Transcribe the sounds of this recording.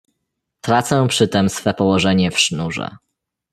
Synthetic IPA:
t̪ɾat̪sɛ̃pʂɘt̪ɛmsfɛpɔwɔʐɛɲɛfʂnuʐɛ̰

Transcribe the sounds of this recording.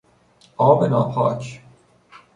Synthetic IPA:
ɒːbenɒːpʰɒ̰ːcʰ

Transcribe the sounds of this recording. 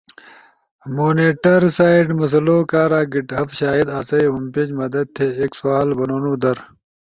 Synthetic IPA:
moːneːʈɐɾsaːiɖmɐs̬ɐloːkaːɾaːɡiʈɦɐfɕaːid̪aːsɐjɦumped͡ʑmɐd̪ɐd̪̚t̪ʰeeːksuaːlbɐnoːnuːd̪ɐɾ

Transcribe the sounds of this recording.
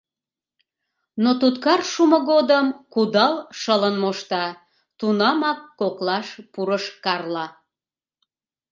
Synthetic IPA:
not̪ut̪kɑrʃumoɣod̪əmkud̪ɑlʃələnmoʃt̪ɑ | t̪unɑmɑkːoklɑʃpuɾəʃkɑrlɑ

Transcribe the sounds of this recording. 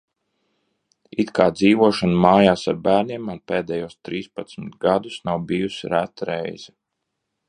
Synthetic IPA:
it̪kaːd̪ziːʋuɔʃanumaːjaːsaɾbæːɾniɛmaɾpeːd̪ɛjuɔst̪ɾiːspat̪smɪt̪ɡad̪usnawbijusiɾæt̪ɾɛ̰jz̥ɛ

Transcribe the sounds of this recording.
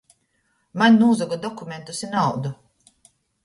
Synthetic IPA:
mannuːzɔɡɔd̪ɔkumʲent̪usinawd̪u

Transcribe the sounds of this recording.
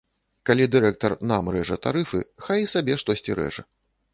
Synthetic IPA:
kalʲid̪ɨɾɛk̚t̪ɐrnamɾɛʐɐt̪a̰ɾɨfɨxajisabʲɛʂt̪ɔsʲt͡sʲiɾɛ̰ʐɐ̰

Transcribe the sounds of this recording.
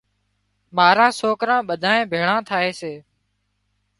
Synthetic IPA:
maːɾãːsoːkɾãːɓəd̪ʱaːẽːbʱeːɽãːt̪ʰaːeːseː

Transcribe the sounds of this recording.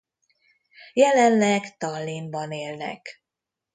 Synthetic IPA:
jɛlɛnlɛkt̪ɒlːimbɒneːlnɛ̰k

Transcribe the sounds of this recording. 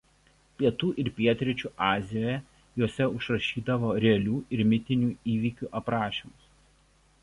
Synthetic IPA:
pʲiɛt̪uːʔɪɾpʲiɛt̪ʲɾʲɪt͡ʃʲuːʔɑːzʲɪjoːjɛ | joːsʲɛʊʃɾɐʃʲiːd̪ɐʋoːɾʲɛɐlʲuːɪɾmʲɪt̪ʲɪnʲuːiːʋʲikʲuːʔɐpɾɑːʃʲiːmʊs

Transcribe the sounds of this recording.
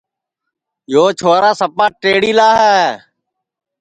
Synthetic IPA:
joːt͡ʃʰoːɾaːsəpaːʈeːɽiːlaːɦɛː

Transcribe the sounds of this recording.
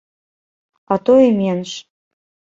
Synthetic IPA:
ɑt̪ojemenʃ

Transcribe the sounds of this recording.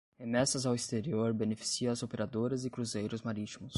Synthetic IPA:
hemɛsɐzawist̪eɾioɾbenefi̥siɐɐzopeɾad̪oɾɐzɪkɾuzejɾʊzmaɾit͡ʃimʊs

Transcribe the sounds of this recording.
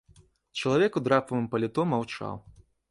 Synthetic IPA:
t͡ʃɐlˠavʲɛkud̪ɾapɐvɨmpɐlʲit̪ɔmawt͡ʂa̰w

